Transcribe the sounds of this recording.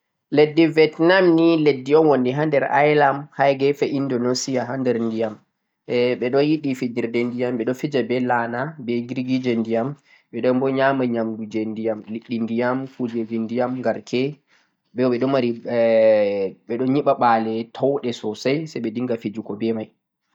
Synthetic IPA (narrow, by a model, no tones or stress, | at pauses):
ledːivɛtnamniledːiɔnwondiɦandɛɾa̰jlamhajɡɛfɛʔindɔnosijaɦandɛɾndijam | ɛɓɛɗɔnjiɗifid͡ʒiɾdɛndijamɓɛɗɔfid͡ʒabɛlanabɛɡiɾiɡid͡ʒɛndijam | ɓɛɗɔnmbɔɲamaɲamdud͡ʒɛndijamliɗːindijamkud͡ʒɛd͡ʒindijamŋɡaɾkʰɛ | bɛɓɛɗɔmaɾi | ɓɛɗɔnɲiɓaɓaːlɛtʰɔwɗɛsɔsajsɛjɓɛdiŋɡafid͡ʒukɔbɛmaj